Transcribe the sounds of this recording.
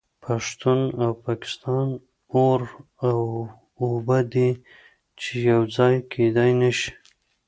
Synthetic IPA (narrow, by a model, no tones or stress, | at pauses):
pʰaʂt̪unawpɑkɪ̥st̪ɑn | oɾ | aw | obad̪i | t͡ʃejawd͡zɑjkʰed̪ɑjnaʃi̥